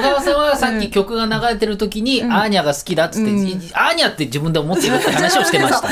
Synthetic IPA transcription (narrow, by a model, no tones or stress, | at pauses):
ɡaβasãβasakʲːikʲo̞kɯ̟ɡanaɡaɾe̞t̪e̞ɾɯ̟t̪o̞kʲiɲ̟iaɲ̟iaɡasɨ̥kʲid̪at̪ːɨ̥t̪ːeaɲ̟iat̪ːe̞d͡ʑibɯ̃nd̪eomo̞t̪ːeɾɯ̟t̪ːehanaɕio̞ɕi̥t̪e̞maɕi̥t̪a